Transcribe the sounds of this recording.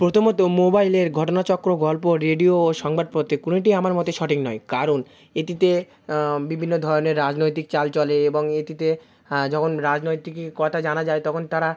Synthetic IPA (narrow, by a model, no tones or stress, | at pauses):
pɾot̪ʰomot̪omobajleɾɡʱɔʈonat͡ɕɔkɾoɡɔlpoɾeɖioːʃɔŋbad̪̚pot̪ʰːekuniʈ̬iamaɾmɔt̪eʃɔʈiknɔejkaɾon | et̪it̪e | bibʱinːod̪ʱɔɾoneɾːad͡ʑnojt̪̬ik̚t͡ɕalt͡ɕɔleeboŋet̪it̪e | d͡ʑɔkʰonɾad͡ʑnojt̪ikkːɔt̪ʰad͡ʑanad͡ʑaet̪ɔkʰont̪aɾa